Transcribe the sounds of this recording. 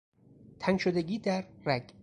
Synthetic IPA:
t̪ʰænʃod̪eɡiːd̪æɾːæɡ

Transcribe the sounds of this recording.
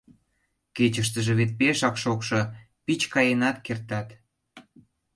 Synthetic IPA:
ket͡ɕəʃt̪əʒĕβet̪̚peʃɑkʃokʃo | pit͡ɕkɑjenɑt̪kert̪ɑt̪

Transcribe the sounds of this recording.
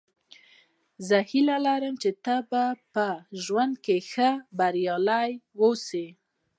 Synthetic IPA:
zəhilalaɾəmt͡ʃet̪abapəʒwand̪̚kexəbaɾjɑlajwowse

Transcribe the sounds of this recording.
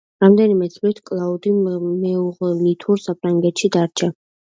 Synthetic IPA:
ɾamd̪ɛnimɛt̪sʼlit̪ʰkʼlˠaud̪imɛuʁɛnit̪ʰuɾsapʰɾaŋɡɛt̪ʃid̪aɾt͡ʃʰa

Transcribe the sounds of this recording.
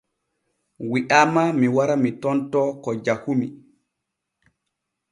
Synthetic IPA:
wiʔamamiwaɾamitɔntɔkɔd͡ʒahumi

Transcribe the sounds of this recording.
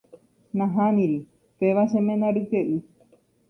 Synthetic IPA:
nãɦãnĩɾi | peʋaʃẽmẽnãɾɨkeʔɨ

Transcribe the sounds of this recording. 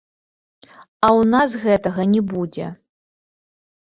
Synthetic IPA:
ɐwnasɣɛt̪ɐɣɐnʲɛbud͡zʲɛ̰

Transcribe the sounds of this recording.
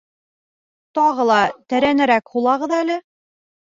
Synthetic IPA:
t̪ɒʁɤ̆lˠɑt̪æɾænɘ̆ɾækhulˠɑʁɤðælɘ

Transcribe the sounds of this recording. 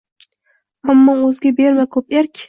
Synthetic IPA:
amːɒɵzɡʲabe̞ɾmakʰɵpeɾkʲ

